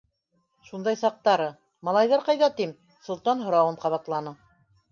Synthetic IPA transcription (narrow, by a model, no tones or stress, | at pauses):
ʃund̪ɑjsɑq̚t̪ɑɾɤ | mɑlˠɑjðɑɾqɑjðɑt̪im | sŏlˠt̪ɑnɦŏɾɑwɤɴqɑβɑt̪lˠɑnɤ